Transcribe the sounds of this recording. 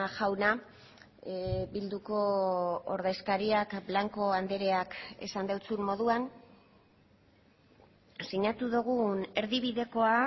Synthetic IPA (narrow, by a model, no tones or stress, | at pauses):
ʝawna | bild̪uko̞oɾðe̞skaɾiakblaŋko̞and̪e̞ɾe̞ake̞̰sand̪ewt͡summo̞ðuan | siɲat̪uðuɣ̞une̞ɾðiβiðe̞ko̞a